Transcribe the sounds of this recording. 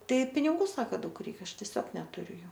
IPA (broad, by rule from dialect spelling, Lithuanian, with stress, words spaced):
ˈtɐɪ pʲɪnʲɪˈɡuː ˈsɑːkɐ ˈdɐʊk ˈrʲɛɪk ˈɐʃ tʲɛˈsʲoːk nʲɛtʊˈrʲʊ ˈjuː